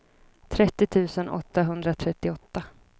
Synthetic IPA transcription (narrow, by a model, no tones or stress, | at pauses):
t̪ʰɾɛt̪ːɪt̪ʰʉ̟ːsənʔɔ̰t̪ːaɦɵnd̪ɾat̪ʰɾɛt̪ːɪɔt̪ːa